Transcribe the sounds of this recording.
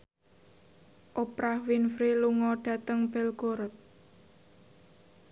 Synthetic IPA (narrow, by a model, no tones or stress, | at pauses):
ʔopɾahwinfɾiluŋɔɖ̥ä̤t̪əŋb̥ɛlɡ̥oɾt̪̚